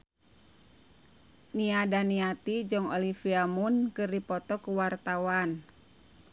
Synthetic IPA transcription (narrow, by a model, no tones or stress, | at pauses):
niadaniat̪id͡ʒɔŋɔlifiamunkɨrdipɔt̪ɔkuwart̪awan